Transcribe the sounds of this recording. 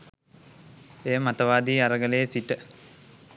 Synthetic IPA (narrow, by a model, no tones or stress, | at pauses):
ejəmat̪əʋaːd̪iːaɾəɡəlejəsiʈə